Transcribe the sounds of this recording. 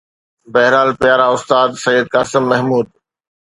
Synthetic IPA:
bɐɦɾaːlpɪjaːɾaʊst̪aːd̪sɐjəd̪̚kaːsɪmːɐɦmuːd̪̚

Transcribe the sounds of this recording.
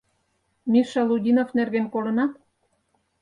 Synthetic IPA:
mʲiʃɑludʲinofnerɣenkolə̆nɑt̪

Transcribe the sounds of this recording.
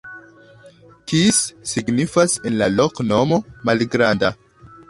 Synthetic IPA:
kisːiɡnifasenlalokno̞mo̞malɡɾanda

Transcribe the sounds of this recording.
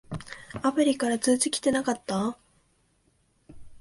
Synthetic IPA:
apɯ̟ɾʲikaɾat͡sɨːt͡sɨkʲi̥t̪e̞nakat̪ːa

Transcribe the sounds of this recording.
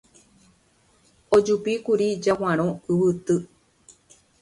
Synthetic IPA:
od͡ʒupikuɾid͡ʒawãɾ̃õɨwɨt̪ɨ

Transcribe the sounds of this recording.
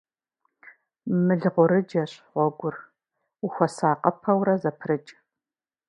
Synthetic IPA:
mɨɮʁʷʊɾɨd͡ʒɐɕʁʷɔɡʷʊr | uxʷɔsaːqʼɐpʰɐwrɐzɐpʰrɨt͡ʃʼ

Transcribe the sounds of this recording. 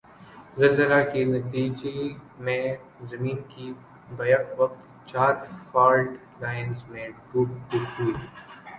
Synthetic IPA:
zɐlzəlakenɐt̪iːd͡ʒemẽ | zɐmiːnki | bɐjaʋɐqt̪ | t͡ʃaːɾfaːɾʈ | laːɪnzmẽɖuɖuʈɦuit̪ʰiː

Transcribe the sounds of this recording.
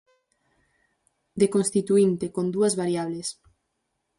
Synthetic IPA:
d̪ekonst̪it̪uint̪ekond̪uɐzβaɾjaβ̞les

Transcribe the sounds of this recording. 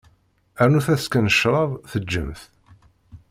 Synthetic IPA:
æɾnuθæθskænəʃɾˤɑðˤθəd͡ʒːə̰mθ

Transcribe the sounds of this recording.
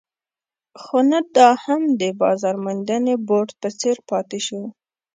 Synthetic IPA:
xonad̪ɑhamd̪əbɑ̰zɑɾmand̪aneboʈpət͡seɾpɑt̪eʃu

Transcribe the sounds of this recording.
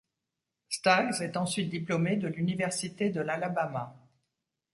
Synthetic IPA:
st̪aɡzɛt̪ɑ̃sɥit̪̚d̪iplɔmed̪əlynivɛʁsit̪ed̪əlalabama

